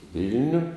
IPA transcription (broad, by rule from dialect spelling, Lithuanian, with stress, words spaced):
ˈʋʲɪlʲnʲʊ